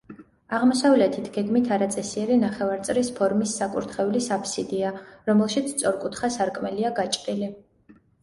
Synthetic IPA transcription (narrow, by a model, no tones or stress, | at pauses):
aʁmɔsavlɛt̪ʰit̪ʰɡ̥ɛɡmit̪ʰaɾat̪sʼɛsiɛɾinaχɛvaɾt̪sʼɾispʰɔɾmisːakʼṵɾt̪ʰχɛulisapʰsid̪iaɾɔmɛlˠʃit̪sʰt̪sʼɔɾkʼut̪ʰχasaɾkʼmɛliaɡat͡ʃʼɾʼili